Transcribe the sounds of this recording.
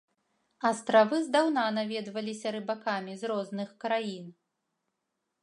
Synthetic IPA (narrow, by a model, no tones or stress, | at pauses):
ɐst̪ɾavɨzd̪awn̪anavʲɛd̪vɐlʲisʲɐɾɨbakamʲizɾɔznɨxkɾajin